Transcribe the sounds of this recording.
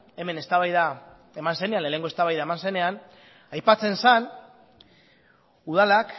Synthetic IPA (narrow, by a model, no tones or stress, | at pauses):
e̞me̞ne̞st̪aβajða | e̞manse̞ne̞anlene̞ŋɡost̪aβajðaemanse̞ne̞an | ajpat͡se̞nsan | uð̞alak